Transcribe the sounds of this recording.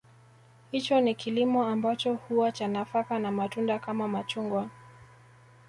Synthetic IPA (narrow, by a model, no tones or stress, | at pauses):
hit͡ʃɔnikilimɔambat͡ʃɔhuwat͡ʃanafakanamatundakamamat͡ʃuŋɡwa